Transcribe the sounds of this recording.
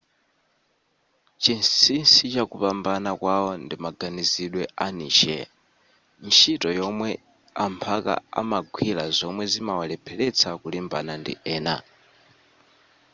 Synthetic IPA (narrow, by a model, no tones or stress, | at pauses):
t͡ʃinsinsit͡ʃakupambanakwaɔndimaɡaniziɗwɛaniːʃɛ̰ | miʃitɔjɔmwɛ | ampʰaka̰a̰maɡʱwilazɔmwɛzimawalɛpʰɛlɛt͡sʰakulimba̰nandḭʔɛːna̰